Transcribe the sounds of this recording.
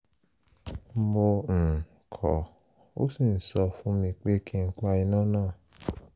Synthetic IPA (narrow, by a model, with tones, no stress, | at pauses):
mõ˧˨ | kʰɔ̰˨ | o̰˦sĩ˦˨n̩˨˦sɔ˧fũ˦mĩ˧k͡pe˦kʰĩ˦˧ŋ̩˦k͡pa˧i˧nãː˦˨nãː˦˨